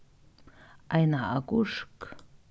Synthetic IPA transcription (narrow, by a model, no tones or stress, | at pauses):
ʔajnaʔakuʂk